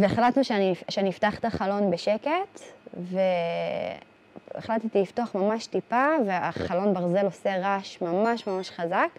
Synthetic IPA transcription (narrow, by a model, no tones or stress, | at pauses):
veeχlatnuʃeaniʃeaniiftaχt̪aχalo̞nbeʃe̞ke̞tve | ḛχlat̪et̪iiftoaχmamaʃtipaveaχalo̞nbaʁze̞lo̞se̞ʁaʃmamaʃmamaʃχazak